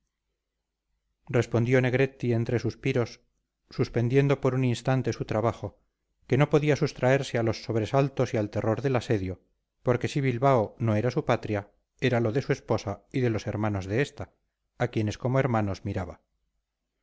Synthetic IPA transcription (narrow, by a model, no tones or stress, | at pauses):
re̞spo̞nd̪jone̞ɣɾe̞t̪ie̞nt̪ɾe̞suspiɾo̞sː | uspe̞nd̪je̞nd̪o̞po̞ɾuninst̪ant̪e̞sut̪ɾaβaχo̞ | ke̞no̞po̞ðiasust̪ɾae̞ɾse̞alo̞sːo̞βɾe̞salt̪o̞sialt̪e̞ro̞ɾðe̞lase̞ðjo̞ | po̞ɾke̞siβilβaono̞e̞ɾasupat̪ɾja | e̞ɾalo̞ðe̞sue̞spo̞saiðe̞lo̞se̞ɾmano̞zðe̞est̪aː | kje̞ne̞sko̞moe̞ɾmano̞zmiɾaβa